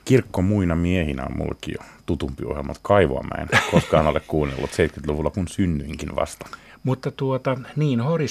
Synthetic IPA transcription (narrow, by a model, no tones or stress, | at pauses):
kirkːomuinɑmiehinæo̰mmṵlːɑ̰kijo̰ | t̪ut̪umpio̰helmɑ̰lt̪kɑiʋoɑ̰mæ̰inkoskɑhɑnolekkuːnːḛlːut̪seit̪kyt̪luʋulːɑkunsynːyiŋkinʋɑ̰st̪ɑ̥ | mut̪ːɑt̪uot̪ɑniːnhori